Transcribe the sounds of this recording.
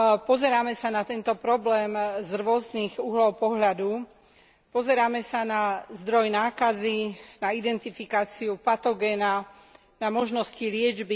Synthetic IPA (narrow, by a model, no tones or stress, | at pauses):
pɔzɛɾaːmɛsanat̪ɛnt̪ɔpɾɔblɛːmzɾʊɔzniɣuɦlɔʊpɔɦʎad̪u | pɔzɛɾaːmɛsanazd̪ɾɔjnaːkazinaid̪ɛnt̪ifikaːt͡siupat̪ɔɡɛːna | namɔʒnɔscilɪɛd͡ʒbi